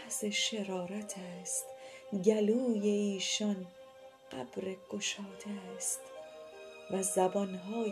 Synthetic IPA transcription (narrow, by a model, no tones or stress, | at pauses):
seʃeɾɒːɾæt̪ʰæːst̪ɟæluːje̞iːʃɒn | ɢæb̥ɾeɡ̥oʃɒːd̪ʰest̪ | væzæbɒnɦɒː